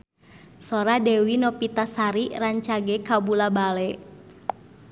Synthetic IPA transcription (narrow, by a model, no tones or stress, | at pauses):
sɔɾadɛwinɔpit̪asaɾiraɲt͡ʃaɡɛkabulabalɛ